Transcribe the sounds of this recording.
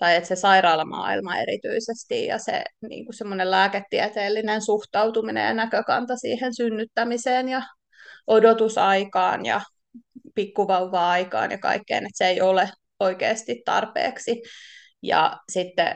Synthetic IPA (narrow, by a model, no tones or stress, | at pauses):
t̪ɑjet̪sesɑiɾɑːlːɑmɑ̰ːḭlmɑḛɾit̪y̰isest̪ijjɑ̰sḛnḭːŋkusemːonellæːket̪ːiɛt̪eːlːinensuht̪ɑwt̪uminḛjɑ̰nækøkɑ̰nt̪ɑsḭːhensynːyt̪ːæmiseːnjɑ | ʔodot̪usɑikɑ̰ːnjɑ̰ | pikːuʋɑuʋːɑːɑikɑ̰ːnjɑkɑ̰ikːḛːnet̪seeiole | oikḛːst̪it̪t̪ɑ̰rpḛːksi | jɑ̰sit̪ːḛ